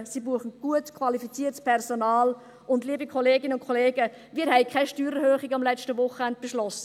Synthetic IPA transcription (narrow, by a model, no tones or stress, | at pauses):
sibuəχn̩ɡ̥uətkʰvɑlifit͡siːətspʰɛrsonaːl | ʔʊndliːəbikʰɔleːɡɪnəʊnkʰɔleːɡə | miːəɾɦɛɪkʰɛɪʃtyːɾəɾhøːχɪɡɑmlɛt͡ʃtəvʊχəɛnd̚b̥eʃlɔsə